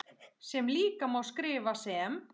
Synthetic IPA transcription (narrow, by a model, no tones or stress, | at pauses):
sɛmliːkamawskɾɪːvasɛm